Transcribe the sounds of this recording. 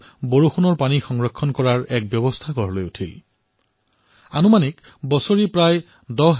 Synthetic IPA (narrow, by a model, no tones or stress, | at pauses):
boɹuxunɔɹpanixɔŋɹɔkʰːɔnkɔɹaɹɛk̚bjɔbɔstʰakɔɹɔlojutʰil | anumanik | bɔsoɹipɹaj | dɔɦ